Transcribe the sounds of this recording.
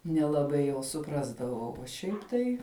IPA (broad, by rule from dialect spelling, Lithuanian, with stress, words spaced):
nʲɛlˠɐˈbɐɪ jɛʊ sʊˈprɑːzdɐʋɐʊ oː ˈʃʲɛɪp tɐɪ